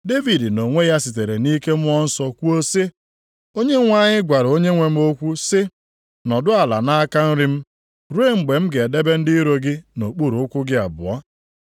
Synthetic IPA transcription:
de˦vi˨dno˨ŋʷe˦ja˦si˨t̬e˨ɾe˨ni˦ke˦m̩˦ɔ˦n̩˦sɔ˦kʷu˦o˦se˦ | o˦ɲe˦ŋʷa˦˨ɲɪ˦ɡʷa˨ɾo˦ɲe˦ŋʷe˨m̩˦o˦kʷu˦sɪ˦ | nɔ˨dʊ˦a˨la̰˨na˦a˦ka˦n̩˦ɾɪ˦m̩˦ | ɾu˦e˦ŋ͡m̩˨ɡ͡be˨m̩˦ɡe˨de˦be˦n̩˦dɪ˦ɾo˦ɡɪ˦no˨k͡pu˦ɾo˨ʊ˦kʷʊ˦ɡɪ˦a̰˨bʊ̰˨ɔ˦

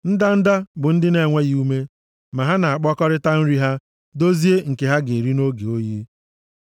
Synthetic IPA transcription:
n̩˦da˦n̩˦da˦bʊ˨n̩˦dɪ˦ne˨ŋʷe˦ɣi˨˦u˦me˦ | ma˨ɦa˦na˨a˨k͡pɔ˦kɔ˦ɾɪ˦ta˦n̩˦ɾi˦ɦa˦ | do˦zi˦e˦ŋ̩˨ke˨ɦa˦ɡɪ˨ɾi˦no˦ɡe˨o˦ji˦

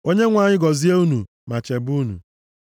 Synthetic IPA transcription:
o˦ɲe˦ŋʷa˨ɲɪ˦ɡɔ˨zi˦e˦u˦nu˨ | ma˨t͡ʃe˨bu˦nṵ˨

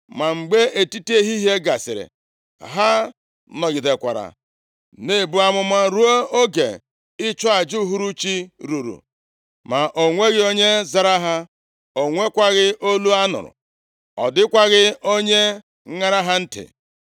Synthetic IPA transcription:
ma˨ŋ͡m̩˨ɡ͡be˦e˨ti˦ti˦e˦ɦi˦ɦe˦ɡa˨sɪ̰˨ɾɪ̰˨ | ɦa˦ | nɔ˨ɡɪ˨de˨kʷa̰˨ɾa̰˨ | ne˦˨bu˦a˦mʊ˦ma˦ɾu˦o˦o˦ɡḛ˨ | ɪ˦t͡ʃɔ˦a˨d͡ʒu˦ɦu˦ɾu˦t͡ʃi˦ɾu˨ɾṵ˨ | ma˨ʔo˨ŋʷe˦ɣɪ˦o˦ɲe˦za˨ɾa˦ɦa˦ | o˨ŋʷe˦kʷa˦ɣɪ˦ʔo˦lu˦a˦nʊ̰˨ɾʊ̰˨ | ɔ̰˨dɪ˦kʷa˦ɣɪ˦o˦ɲe˦ | ŋa˦ɾa˦ɦa˦n̩˦tɪ̰˨

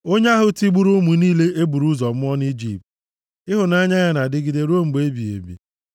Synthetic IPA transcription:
o˦ɲ˦a˦ɦʊ˦ti˦ɡ͡bu˦ɾu˦mu˨niː˦le˦ʔe˦bu˨ɾu˦zɔ˨m̩˦mɔ˦n˦i˦d͡ʒḭ˨p̚t̚ | ɪ˦ɦʊ˨na˦ɲa˦ɲa˨na˨dɪ˦ɡɪ˨de˦ɾo˦ŋ͡m̩˨ɡ͡be˦bi˨ḛ˨bḭ˨

